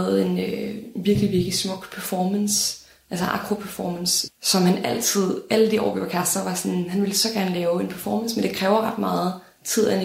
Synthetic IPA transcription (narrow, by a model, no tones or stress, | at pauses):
ð̩ˠe̝nøʋiɐɡ̥liʋiɐɡ̥lismɔ̽ɡ̥pʰæɐfɒːməns | ʔælsəʔɑ̈ɡ̥ʰʁo̝pʰæɐfɒːmənssɒ̽mhænæl̰t͡sʰið̞̰ˠæləd̥iɒ̰ʊb̥eʊ̥ɐkʰæsd̥ɐʋɑ̈sɒ̽nhænʋe̝lsɒ̽ɡ̥æɐnəlɛːʊe̝npʰæɐfɒːmənsmend̥e̝kʰʁɛːʊɐʁɑ̈d̥mɑ̈ːð̩ˠ | t͡sʰið̞̰ˠæn